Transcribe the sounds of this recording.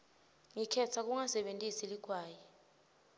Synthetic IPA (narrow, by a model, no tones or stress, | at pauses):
ŋikʰɛtʰak̬uŋasɛɓentʼisiliɡ̥ʱwaːjɛ